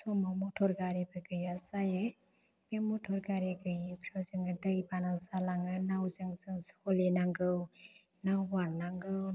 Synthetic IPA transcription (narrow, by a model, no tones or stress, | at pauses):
sɔmamɔtʰɔɾɡaɾibɯɡɯjasajɯ | bemutʰɔɾɡaɾiɡɯjpʰɾawzɯŋɯdɯjbanasalaŋɯnawzɯŋzɯŋsɔlinaŋɡɯw | nawwaɾnaŋɡɯw